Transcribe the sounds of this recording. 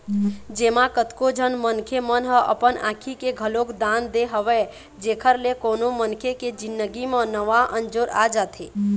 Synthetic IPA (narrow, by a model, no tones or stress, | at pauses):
d͡ʒemakət̪kod͡ʒʱənmənkʰemənɦəʔə̰pənã̰kʰikeɡʱəlokd̪and̪eɦəʋɛ | d͡ʒekʰəɾlekonomənkʰeked͡ʒinːəɡimẽnəʋaʔənd͡ʒoɾa̰d͡ʒat̪ʰe